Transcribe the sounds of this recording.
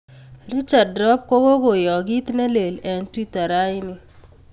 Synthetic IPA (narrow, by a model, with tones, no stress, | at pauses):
ɾi˦t͡ʃa˨dɾɔ˦p̚ko˦ɡo˦ɡo˨jɔ˨ɡi˦t̪ne˦le˨lɛ˨ntwi˦ta˨ɾa˦ɪ˦nɪ˦